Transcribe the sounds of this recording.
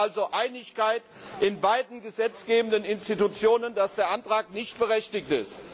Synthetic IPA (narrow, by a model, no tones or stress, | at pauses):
alzoʔaɪnɪçkaɪtʔɪnbaɪdn̩ɡəzɛt͡sɡ̥eːbən̩dənɪnstitut͡sjoːnəndasd̥eːɐʔantʁ̥aːk̚nɪçt̚b̥əʁɛçtɪktɪst